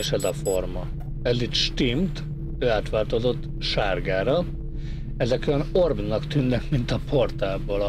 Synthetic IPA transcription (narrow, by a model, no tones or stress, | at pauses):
eʃɛzɒformɒ | ɛd̪it̪ʃt̪imt̪ | øːaːt̪ʋaːrt̪ozo̞t̪ːʃaːrɡaːɾɒ | ɛzɛkyjɒno̞rbnːɒkt̪ynːɛkmint̪ɒpʰort̪aːboːl